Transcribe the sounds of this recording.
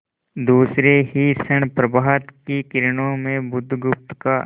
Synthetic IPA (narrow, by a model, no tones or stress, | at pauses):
d̪uːsɾeɦisəɳpɾɐbaːɦət̪kikɪɾɳõmẽbʊd̪ʱɡʊp̚t̪ka